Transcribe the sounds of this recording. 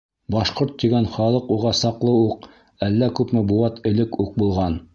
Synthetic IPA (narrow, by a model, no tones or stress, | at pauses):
bɑʃqoɾt̪ːiɡænχɑlˠɤquʁɑsɑqlˠɤuq | ælːækʉpmɘbuɑt̪ɘ̆lɘkuq̚bulˠʁɑn